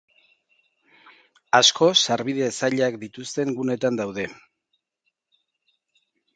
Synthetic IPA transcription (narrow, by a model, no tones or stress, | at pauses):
asko̞saɾβiðe̞saʎakd̪it̪ust̪e̞ŋɡune̞t̪and̪awðe̞